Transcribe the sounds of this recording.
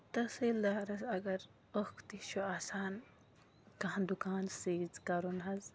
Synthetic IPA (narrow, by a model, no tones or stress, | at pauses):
t̪ɐselaːɾɐsɐɡɐɾ | okʰt̪it͡ʃʰuaːsaːn | kɐ̃nd̪ukaːnseːzkɐɾunɦɐz